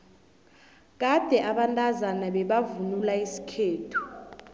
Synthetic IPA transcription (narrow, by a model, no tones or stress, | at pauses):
k̬ad̥ʱɛʔaɓantʼazanaɓɛɓavunulaisi̥kʰeːtʰu̥